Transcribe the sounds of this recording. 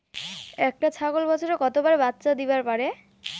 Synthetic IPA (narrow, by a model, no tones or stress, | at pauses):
ɛk̚ʈat͡ɕʰaɡolbɔt͡ɕʰoɾekɔt̪obaɾebat̪ːɕad̪ibaɾpaɾe